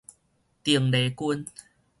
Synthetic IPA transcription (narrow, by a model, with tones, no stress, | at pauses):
t̪i˨˩əŋde˨˦ku˧n